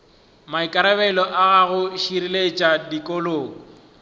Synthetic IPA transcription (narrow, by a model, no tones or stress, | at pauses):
maikʼaɾabɛlɔʔaɣaɣʊʃiɾilet͡ʃʼadikʼoloːŋɔ